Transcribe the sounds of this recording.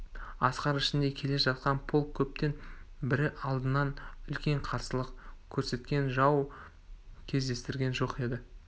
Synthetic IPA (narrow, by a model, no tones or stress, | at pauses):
ɑsqɑɾɪʃɪnd̪e̞kʲʰe̞leʒɑt̪̚qɑnpʰolˠkkʲʰːɵp̚t̪e̞nbɪɾɪʔɑlˠd̪ənːɑnʏlkʲe̞ɴqʰɑɾsəlˠəqkʲʰɵɾse̞t̪kʲe̞nʒɑw | kʲʰe̞zd̪e̞st̪ɪɾɡʲe̞nʒo̞qe̞d̪ɪ